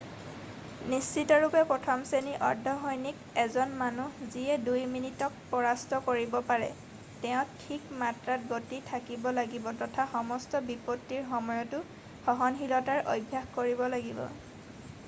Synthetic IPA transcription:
nist͡ʃitɔɹupɛpɹɔtʰɔmseniʔɔɹdʱːɔxɔjnik | ɛzɔnmanuziɛdujminitɔk̚pɔɹastɔkoɹibɔpaɹɛ̰ | tɛʊ̃tʰikmatɹat̚ɡotitʰakibɔlaɡibɔtɔtʰaxɔmɔstɔbipɔtːiɹxɔmɔjɔtʊ | xɔɦɔnxilɔtaɹʔo̰jbʱːaxkoɹibɔlaɡibɔ̰

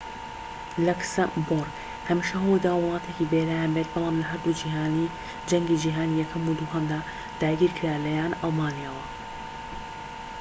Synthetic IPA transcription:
lɐksamboɾɡ | hɐmiʃaɦɐwojd̪aːwɨlˠɑːt̪ʰecibelaːjaːnbet̪̚bɑlˠɑːmlɐɦɐɾd̪ud͡ʒiːɦaːni | d͡ʒɐŋɡid͡ʒiːɦaːnijɛkʰɐmud̪uːɦɐmd̪aː | d̪̥aːɡiːɾkʰɨɾaːlɐjaːnɑlˠmaːnijaːwɐ

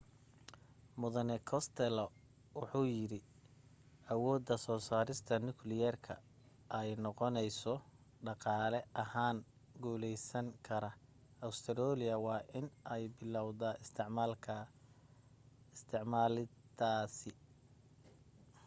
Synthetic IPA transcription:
mʊðɐnɛkʰɔst̪ʰɛlɔ | wʊħuːjɪɾɪ | ɐwɔːd̪ɐsɔːsaːɾɪst̪ʰɐnʊklɪjɛrkʰɐ̰ | ʔɛjnɔqɔnɛjsɔ | ɖɑqɑːlɛʔɐhaːn | ɡuːlɛjsɐŋkʰɐɾɐ | ɐwst̪ʰɛɾɔːlɪɐwɑːʔɪnʔɛjbɪlɐwðɐɪst̪ʰɪʕmaːlkʰɐ | st̪ʰɪʕmaːlɪd̪aːsɪ

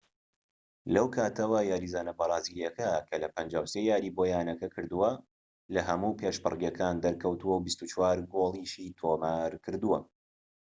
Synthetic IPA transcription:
lɐwkʰaːt̪ʰɐwɐjaːɾizaːnɐbɐɾˤɑːziɾijɛkɐkʰɐlɐpɐnd͡ʒaːwseːjaːɾibojaːnɐkɐkʰɨɾd̪uwɐ | lɐɦɐmupʰeːʃbɨ̰rˤɡjɐkʰaːnd̪ɐɾkɐwt̪uwɐwbist̪ut͡ʃwaːɾɡolˠiʃiːt̪ʰomaːɾkʰɨɾd̪uwɐ̰

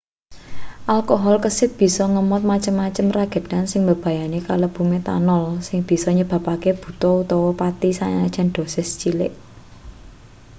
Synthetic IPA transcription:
ʔalkoɦɔlkəsɪt̪̚b̥i̤sɔŋəmɔt̪̚mat͡ʃəmːat͡ʃəmraɡ̥ə̤d̪̥ansɪŋbəb̥ä̤janekaləb̥ṳmet̪a̰nɔlsɪŋb̥i̤sɔɲəb̥ä̤pakeb̥ṳt̪ɔut̪ɔwɔpat̪isaɲaad̥ʒ̥a̤nd̪̥o̤sɪst͡ʃilɪʔ

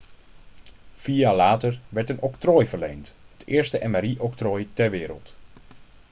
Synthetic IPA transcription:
fijaːlaːtəɹʋɛɹtənɔktrojvəɹlejnthətʰɪːəɹstəʔɛnmaɾiʔɔktroːjtɛɹʋɪːɾə̰lˠt

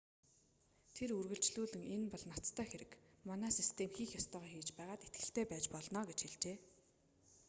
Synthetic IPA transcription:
t̪ʰeɾurɣɵ̆ɬt͡ɕɮuːɮɘ̆ŋenpɔɮnat͡st̪ʰœːxeɾɘ̆kmanæːsist̪ʰemxiːxjɔst̪œːʁœːxiːt͡ɕpæːʁaːt̪et̪̚ɡɘ̆ɬt̪ʰeːpæːt͡ɕpɔɮnɔːɡet͡ɕxeɮt͡ɕeː

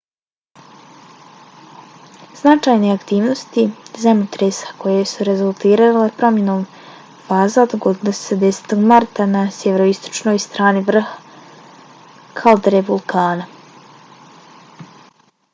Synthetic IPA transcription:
z̥nat͡ʃaːjneakt̪iːʋno̞st̪izamut̪ɾesḁko̞jesuɾezulˠt̪iːɾalepɾo̞mjenoːm | faːzad̪ɡod̪inossed̪ese̥t̪oɡmaɾt̪anasjeʋeɾoist̪o̥t͡ʃno̞jst̪ɾaːniʋr̩hḁ | kʰald̪ɾeʋolˠkʰaːna

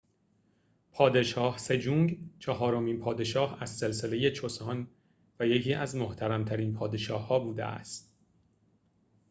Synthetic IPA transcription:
pʰɒːd̪e̞ʃɒːhse̞d͡ʒuːŋɟt͡ʃʰɒɦɒːɾo̞miːnpʰɒːd̪e̞ʃɒːhæzse̞lse̞le̞je̞t͡ʃʰosɒn | væjecʰiːʔæzmoht̪ʰæɾæmt̪ʰæɾiːnpʰɒːd̪e̞ʃɒːhːɒːbuːd̪ḛʔæ̰st̪̚

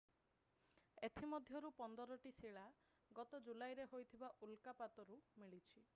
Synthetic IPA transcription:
et̪ʰimɔd̪ʱjɔɾupɔnd̪ɔɾɔʈisiɭa | ɡɔt̪ɔd͡ʒulajɾeɦojt̪ʰibaʔulkapat̪ɔɾumiɭit͡ʃʰi

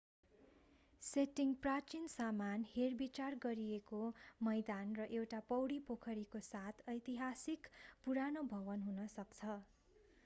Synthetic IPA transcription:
seʈiŋprat͡ʃinsamanherbit͡sarɡʌɾijekomʌjd̪anrʌʔewʈapʌwɽipokʰʌɾikosat̪ʰʌjt̪iɦasikpuɾanobʱʌβʌnɦunʌsʌkt͡sʰʌ

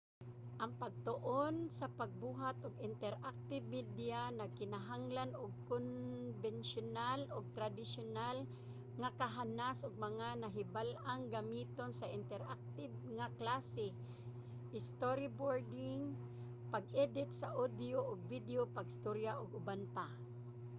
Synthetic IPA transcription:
ʔɐŋpaɡ̚t̪ʊʔonsapaɡ̚buːɦat̪ʔʊɡɪnt̪ɛɾʔak̚t̪ɪbmid̪janakɪnaɦaŋlanʊɡ̚konvɛnʃʊnalʔʊɡ̚t̪ɾad̪ɪsʊnal | ŋakaɦanasʔʊɡ̚mɐŋanaɦɪbalʔaŋɡamiːt̪onsaɪnt̪ɛɾʔak̚t̪ɪb̚ŋaklasɪ | ʔɪst̪oɾiboɹd̪ɪŋ | paɡ̚ʔɛd̪ɪt̪saʔod̪joʔʊɡ̚vɪd̪eopaɡɪst̪oɾjaʔʊɡʊbanpa

